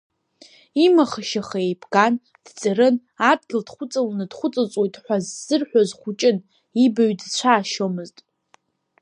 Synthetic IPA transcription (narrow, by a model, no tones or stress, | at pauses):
imaχaʃaχaejpʰɡan | d̥t͡sʼaɾɨn | adɡʲɪldχʷʊt͡sʼalnɨdχʷʊt͡sʼat͡sʷʼwojtʼħʷazz̥ɨrħʷᶣazχʷʊt͡ʃʼɪn | ibaɥdt͡ɕʷʰaːʃomɨztʼ